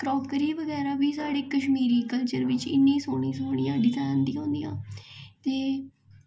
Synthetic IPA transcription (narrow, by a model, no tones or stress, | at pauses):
kɾɔːkəɾiːʋəɡɛːɾaːʋiːsaːɽeːkəʃmiːɾiːkəlt͡ʃəɾʋɪt͡ʃɪ̰nːẽːsoːɳ̃ĩːsoːɳ̃ijãːɖɪzaːnd̪ĩːõːnd̪ĩːjã̰ːt̪eː